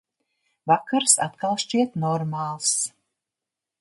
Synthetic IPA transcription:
vakaɾsat̪kalˠʃt͡ʃiɛt̪nɔɾmaːlˠs

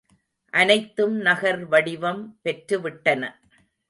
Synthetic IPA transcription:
ʔɐnɐɪt̪ːɯmnɐɣɐɾʋɐɽɪʋɐmpɛʈɾɯʋɪʈːɐnɐ

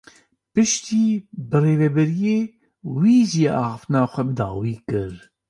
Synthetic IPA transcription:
pɨʃt̪iːbɨreːvɛbɛɾijeː | wiːʒieʔɑːxɨft̪ɨnɑːxʷɛbɨd̪ɑ̰ːwiːkɨɾ

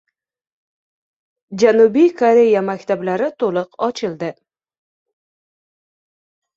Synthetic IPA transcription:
d͡ʒanubijkʰoɾe̞jamakʲt̪ʰablaɾɪt̪ʰolˠɨqɒt͡ʃʰɪlˠd̪ɪ

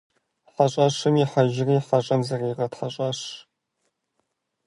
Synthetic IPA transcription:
ħɐɕʼɐɕɨmiħaɐʒɪriːħɐɕʼɐmzɐriːʁɐtħɐɕʼɐɕ

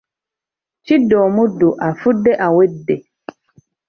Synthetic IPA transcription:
t͡ʃidɔːmuduʔafudːɛʔawedːe

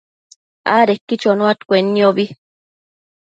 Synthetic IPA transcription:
a̰ɾekːit͡ʃonuat̪kʷenːioβi

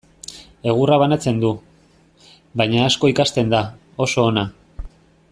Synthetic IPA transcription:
e̞ɣ̞uraβ̞anat͡se̞nd̪u | bajɲaːsko̞ikast̪e̞nd̪a | o̞so̞ːna

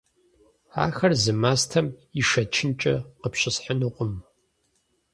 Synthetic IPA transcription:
a̰ːxɐrzɨmaːstʰɐmiʂɐt͡ʃʰɪnt͡ʃʼɐqəpɕɪsħənɨqʷʼʊm

